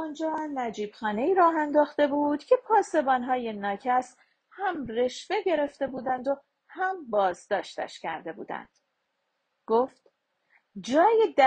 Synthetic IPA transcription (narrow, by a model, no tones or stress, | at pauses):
ɔnd͡ʒɒːnæd͡ʒiːb̥xɒːne̞iːɾɒːɦænd̪ɒːxt̪e̞buːd̪̥cʰe̞pʰɒːse̞bɒːnɦɒːje̞nɒːcʰæs | hæmre̞ʃve̞ɟe̞ɾe̞ft̪e̞buːd̪ænd̪o̞ | hæmbɒːzd̪ɒːʃt̪æ̰ʃcʰæɾd̪e̞bṵːd̪æ̰nd̪̥ | ɡ̥oːft̪ | d͡ʒɒːjed̪æ